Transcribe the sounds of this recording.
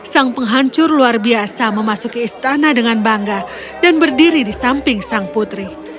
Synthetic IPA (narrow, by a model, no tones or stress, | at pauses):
saŋpəŋɦaɲt͡ʃʊrluarbiasaməmasukiːst̪anadəŋanbaŋɡa | danbərdiɾidisampɪŋsaŋput̪ɾi